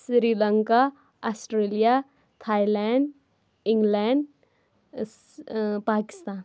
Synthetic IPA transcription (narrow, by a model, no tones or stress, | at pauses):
sɾiːlɐŋka | asʈɾeːlija | t̪ʰaːilɛːɳɖ | ɪ̃ŋɡlɛːɳɖ | paːkɪ̥st̪aːn